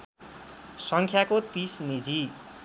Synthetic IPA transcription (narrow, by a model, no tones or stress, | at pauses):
sʌŋkʰjakot̪isnid͡zi